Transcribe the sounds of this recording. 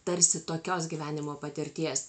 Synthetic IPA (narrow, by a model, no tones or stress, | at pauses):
t̪ɐɾʲsʲɪt̪oːkʲoːsɡʲiːʋʲæːnʲɪmoːpɐt̪ʲɪɾʲt̪ʲiɛs